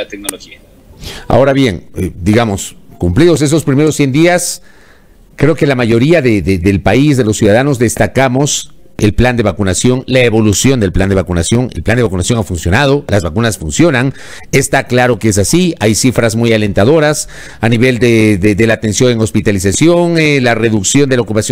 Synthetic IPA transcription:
at̪ek̚noloxia | a̰o̞ɾaβje̞ŋd̪iɣamo̞skumpliðos̬e̞s̬o̞spɾime̞ɾo̞sːje̞nd̪ias | kɾe̞oke̞lamaʝo̞ɾiaðeðeðelpaizðe̞lo̞sjuðaðano̞zðe̞st̪akamo̞s | e̞lpland̪e̞βakunasjo̞nlaeβo̞lusjond̪e̞lpland̪e̞βakunasjo̞ŋelpland̪eakunasjo̞ŋafunsjo̞naðo̞lazβakunasfunsjo̞naŋ | est̪aklaɾo̞kees̬asiajsifɾazmujale̞nt̪aðo̞ɾas | aniβe̞ld̪eðeðelaːt̪e̞nsjo̞neŋo̞spit̪alisasjo̞ŋlare̞ðuksjo̞nd̪elaokupasjo

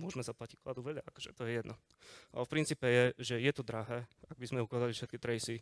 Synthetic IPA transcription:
mʊɔʒmɛzaplacicklad̪uʋɛʎaakɔ̥ʒɛt̪ɔjɛjɛd̪nɔ | a̰ɛfpɾint͡siːpɛjɛʒɛjɛt̪ɔd̪ɾaɦɛːaɡ̚bizmɛukʋaːzalifʃɛt̪̚kit̪ɾɛjsi

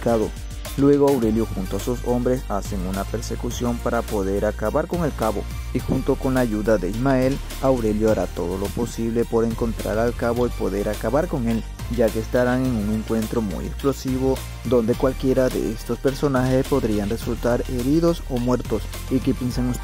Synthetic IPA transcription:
kaðo | lwe̞ɣ̞oawɾe̞ljoxunt̪oasuso̞mbɾe̞sase̞ŋunape̞ɾse̞kusjo̞mpaɾapo̞ðe̞ɾakaβaɾko̞ŋe̞lkaβo̞̰ | ixunt̪o̞ko̞nlaːʝuðaðeizmae̞l | awɾe̞ljoaɾat̪o̞ðo̞lo̞po̞siβle̞po̞ɾe̞ŋko̞nt̪ɾa̰ɾalkaβo̞ipo̞ðe̞ɾakaβaɾko̞ŋe̞l | d͡ʒake̞ːst̪aɾaŋe̞ŋuŋe̞ŋkwe̞nt̪ɾo̞mṵjeksplo̞siβ̞o̞ | d̪o̞nd̪e̞kwalkje̞ɾaðe̞̰est̪o̞spe̞ɾso̞naxe̞spo̞ðɾianre̞sult̪aɾe̞ɾiðo̞so̞mwe̞ɾt̪o̞s | ikepjenseŋu

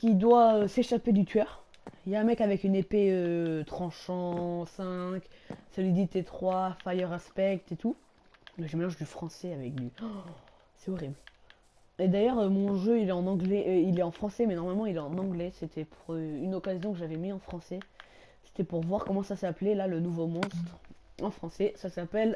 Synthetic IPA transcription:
kʲid̪waøseʃaped̪yt̪ʰɥœːʁ | iljaɛ̃mɛkavɛkynepeøt̪χɑ̃ʃɑ̃sɛ̃ksəlid̪it̪et̪χwafajœʁaspɛk̚t̪et̪u | ʒəmelɑ̃ʒd̪yfχɑ̃sɛavɛkd̪y | sɛɔʁibl | ed̪ajœʁømɔ̃ʒøilɛɑ̃nɑ̃ɡlɛʔilɛɑ̃fχɑ̃sɛmɛnɔʁmalmɑ̃ilɛɑ̃nɑ̃ɡlɛset̪ʰɛpʰuʁøynɔkazjɔ̃kəʒavɛmiɑ̃fχɑ̃sɛ | se̥t̪ɛpuʁvwaʁkɔmɑ̃sasɛaplelalənuvomɔ̃st̪χɑ̃fχɑ̃sɛsasapɛl

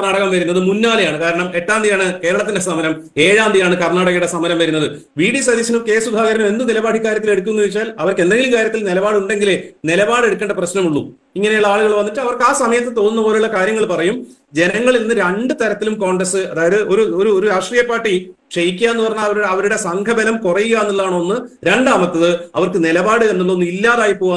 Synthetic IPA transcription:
rnaːɽɐɣɐmʋɐɾunːɐðɨmunːaːlejaːɳɨkaːɾɐɳɐme̞tʈːaːnd̪ijaːɳɨke̞ːɾɐɭɐt̪ːinde̞sɐmɐɾɐm | e̞ːɻaːnd̪ijaːɳɨkɐrnaːɽɐɣɐjuɽe̞sɐmɐɾɐmʋɐɾunːɐðɨ | ʋiːɽisɐd̪iɕɐnuke̞ːsub̪ʱaːɣɐɾɐnume̞nd̪ɨnilɐbaːɖʰʱikːaːɾjɐt̪ːile̞ɽuk̬ːunːuʋit͡ɕːaːlɐʋɐrke̞nd̪e̞ŋɡilukaːɾjɐt̪ːilnilɐbaːɽuɳɖe̞ŋɡilenilɐbaːɽe̞ɽukːeɳɖɐprɐɕnɐmuɭːṵ | iŋːɐne̞juɭːɐaːɭuɣɐɭʋɐnːiʈːɨɐʋɐrkaːsɐmɐjɐt̪ːet̪o̞ːnːunːɐbo̞ːleuɭːɐkaːɾjɐŋːɐɭpɐrɐjum | d͡ʑe̞nɐŋːɐɭilinːɨɾeɳɖɨt̪ɐɾɐt̪ːilumko̞ːɳɖrɐsɨɐðaːjɐðɨʔo̞ɾuoɾuoɾuɾaːʂʈriːjɐpːaːʈːi | ʂejkʲːaːenːupɐrɐɲːaːɐʋɐɾuɽeɐʋɐɾuɽe̞sɐŋkʰɐbɐlɐmkurɐjuɣajenːuɭːaːɳoːnːɨɾeɳɖaːmɐt̪ːɐðɨɐʋɐrkɨnilɐbaːɽɨe̞nːuɭːɐonːɨilːaːðaːjipːoːaː

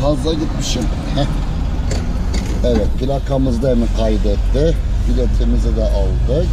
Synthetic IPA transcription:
fazlˠaɟit̪miʃim | h | evɛt̪̚bilakʰamɯzd̪ˠaɾnɯkʰajd̪ɛt̪ːɪ | bid̪ɛt̪ʰemizɛd̪ɛʔalˠd̪ɯ

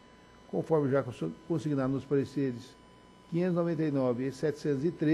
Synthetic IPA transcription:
kõfɔɾmɪʒakõsiɡinaɾ̃ʊspaɾeseɾɪs | kĩɲẽt̪znovẽnt̪ejnɔvɪsɛt͡ʃɪ̥sẽnt̪ʊzɪt̪ɾe

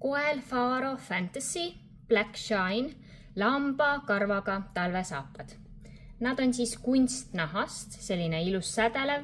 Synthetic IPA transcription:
ko̞elfɑːɾo̞fænt̪ɑsi | b̥lækʃɑjn | lɑmb̥ɑkɑrvɑɡɑt̪ɑlve̞sɑ̰ːpːˑɑd̪̥ | nɑd̪̥o̞nʲsiːskunʲst̪nɑɦɑst̪se̞lʲːineilusːæd̪e̞lev

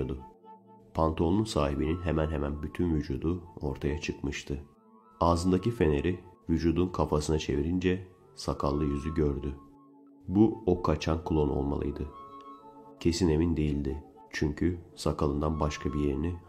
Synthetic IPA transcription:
od̪ʊ | pʰant̪ʰo̞nunsaːɦibininɦemænɦemænbyt̪ʰynvyd͡ʒuːd̪uo̞ɾt̪ʰajat͡ʃʰɯkmɯʃt̪ʰɯ | aːzɯnd̪acife̞ne̞ɾivyd͡ʒuːd̪unkʰafasɯnat͡ʃʰe̞viɾind͡ʒɛ | sakʰalˠːɯjyzyɟøɾd̪y | buokʰat͡ʃʰankʰulˠo̞nolˠma̰lˠɯ̰jd̪ɯ | cʰe̞sine̞mind̪e̞jilʲd̪ɪ | t͡ʃʰyɲcʰysakʰalˠɯnd̪anbaʃkʰabije̞ɾini

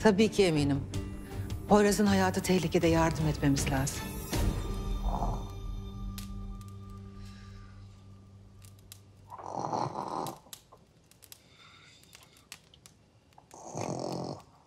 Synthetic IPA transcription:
t̪ʰabiːcʰiemiːnim | hojɾazɯnɦajaːt̪ʰɯt̪ʰɛhlʲicʰed̪ɛjaɾd̪ɯmɛt̪me̞mizlʲaːzɯm

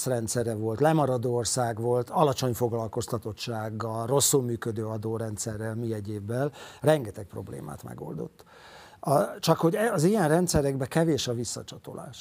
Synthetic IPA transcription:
srɛnt̪sɛɾɛvo̞lt̪lɛmɒɾɒd̪orsaːɡʋo̞lt̪ɒlɒt͡ʃo̞ɲfo̞ɡlɒlko̞st̪ɒt̪o̞tt͡ʃaːɡːɒlro̞sːulmyːkød̪øːɒd̪oːɾɛnt̪sɛrːɛlmiɛɟeːbːɛlrɛŋɡɛt̪ɛk̚pro̞̰blḛːma̰ːt̪mɛ̰ɡo̞̰ld̪o̞̰t̪ː | ɒt͡ʃɒkho̞ɟɛɒzijɛnrɛnt̪sɛɾɛɡbɛkɛveːʃɒvisːɒt͡ʃɒt̪o̞̰la̰ːʃ

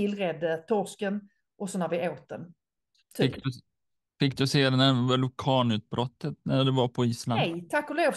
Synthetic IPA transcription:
ɪlːɾɛd̪ːət̪ʰɔskən | ʔɔsɔnæɾvɪoːt̪̚d̪ən | fʰɪkkːd̪ɵ | fɪkːd̪ɵseːd̪ɛnæɾvɛlʊkʰɑːnʉ̟ːt̪̚bɾɔt̪ːət̪næɖɛvaɾpʰɔiːslanɛjt̪ʰakːʊloːv

